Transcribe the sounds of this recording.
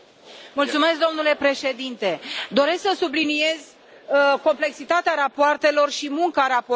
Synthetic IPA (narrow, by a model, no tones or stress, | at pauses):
mult̪sume̞sk̚d̪o̞mnule̞pɾe̞ʃe̞d̪int̪e̞d̪o̞ɾe̞sksəsublinie̞zʲ | ko̞mple̞ksit̪at̪eaɾapoart̪e̞lo̞rʃimuŋkaɾap